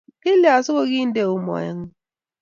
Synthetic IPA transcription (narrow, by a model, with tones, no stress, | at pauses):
ke˦li˨˦a˨sʊ˦ko˦ɡɪ˦n̩˦de˦ʊ˦mɔ̰˨ɪ̰˦ŋ̩˦